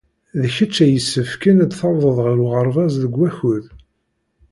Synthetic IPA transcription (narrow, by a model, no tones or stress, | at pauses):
ðəçət͡ʃːæjəsːəfkənæd̪θɑwðˤəðˤʁəɾuʁəɾˤvɑzðəɡʷːæçʊð